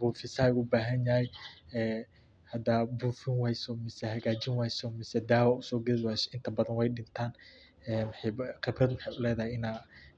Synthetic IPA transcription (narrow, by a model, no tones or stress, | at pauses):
buːfɪsaːʊbaːɦɐnjɐɦɛjɛː | hɐd̪abuːfɪŋwaːjsɔmɪsɛhɐɣaːt͡ʃɪnwaːjsɔmɪsɛd̪aːwɐʊsɔːɡɛlɛwɛsɪnt̪ʰɐbɐðɐnwɛjɗɪnt̪ʰaːn | ɛːmħɛqɪbrɐd̪mɑħɑjʊlɛːðɐhɛɪnaː